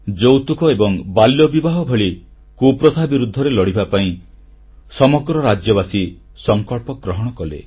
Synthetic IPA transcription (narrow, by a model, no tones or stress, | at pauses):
d͡ʒowt̪ukɔebɔŋbaljɔbibaɦɔbʱeɭi | kupɾɔt̪ʰabiɾud̪ʱːɔɾelɔɽibapaĩ | sɔmɔɡɾɔɾad͡ʒjɔβasi | sɔŋkɔɭpɔɡɾɔɦɔɽ̃ɔkɔlḛ